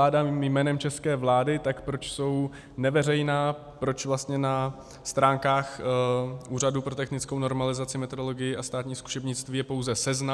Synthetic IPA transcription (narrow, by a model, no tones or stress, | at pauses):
aːdammjmɛːnɛmt͡ʃɛskɛːvlaːdɪt̪akpɾo̞t͡ʃso̞w | nɛvɛrɛjnaː | pɾo̞t͡ʃvlast̪ɲɛna | st̪ɾaːŋkaːx | ʔuːradupɾo̞t̪ɛxnɪt͡skowno̞ɾmalɪzat͡sɪmɛt̪odolo̞ɡɪjɪʔast̪aːt̪ɲiːsku̥ʃɛbɲɪt͡st̪viːjɛpo̞wzɛsɛzna